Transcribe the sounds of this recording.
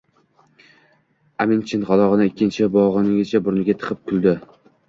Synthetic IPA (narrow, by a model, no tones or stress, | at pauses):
amɪnt͡ʃʰɪnʁɒlˠɒʁɨnɪɪkʲːɪnt͡ʃʰɪbɒʁɨnɪɡʲet͡ʃʰabʊɾnɪɡʲat̪ʰɨ̥qʰɨp̚kʲʰʊlˠd̪ɪ